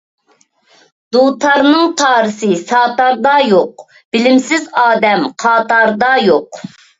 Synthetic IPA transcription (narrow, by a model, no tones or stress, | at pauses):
d̪̥ut̪ʰɑɾnɨŋt̪ʰɑːɾɨsɨsɑːt̪ɑɾd̪ɑjoq | b̥ɪlɪmsɪzɑːd̪ɛmqʰɑːt̪ɑɾd̪ɑjoq